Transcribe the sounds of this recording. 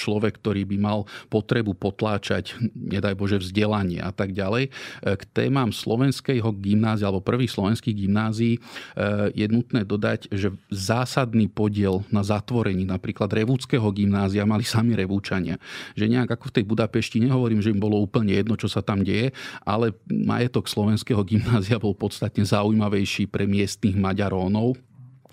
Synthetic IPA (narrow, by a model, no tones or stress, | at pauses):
t͡ʃlɔʋɛkːt̪ɔɾiːbimalpɔt̪ɾɛbupɔt̪laːt͡ʃa̰cɲɛd̪ajbɔʒɛvzɟɛlaɲɪɛ̰ʔat̪aɡɟalɛjkt̪ɛ̰ːmaːmslɔ̰ʋɛnskɛjɦɔɡimnaːzialɛbɔpr̩ʋiːxslˠɔʋɛnskiːɣɡimnaːziiː | jɛnut̪nɛːd̪ɔd̪a̰ɟʒɛzaːsad̪niːpɔɟɪɛlnazat̪ʋɔɾɛɲiːnapɾiːklad̪ɾɛʋuːt͡skɛːɦɔɡimnaːziamalisamiɾɛʋuːt͡ʃaɲɪa̰ʒɛɲɛaɡakɔft̪ɛjbud̪apɛʃciɲɛɦɔʋɔɾiːmʒɛimbɔlɔuːpl̩ɲɛjɛd̪nɔt͡ʃɔsat̪amɟɛjɛʔalɛma̰jɛt̪ɔkslɔʋɛnskɛːɦɔɡimnaːziabɔlpɔt̪st̪at̪ɲɛzaujmaʋɛjʃiːpɾɛmɪɛst̪niɣmaɟaɾɔːnɔʊ